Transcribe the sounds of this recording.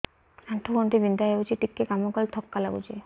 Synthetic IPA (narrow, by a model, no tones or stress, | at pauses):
aɳʈʰoɡɔnt̪ibind̪aɦet͡ʃʰiʈikːekamɔkɔlt̪ʰɔkːalaɡṵt͡ʃʰi